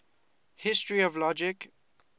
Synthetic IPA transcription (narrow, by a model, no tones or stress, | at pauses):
hɪstɹiɔvlɔd͡ʒɪk